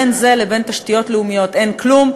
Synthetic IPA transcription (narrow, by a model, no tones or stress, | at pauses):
enzelebe̞nt̪aʃtijo̞tleumijo̞t̪ʔe̞nklum